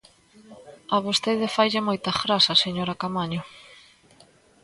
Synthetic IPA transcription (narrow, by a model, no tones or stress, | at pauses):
ɐβost̪eðɪfajʎamojt̪ɐfɾasɐseɲoɾɐkamaɲʊ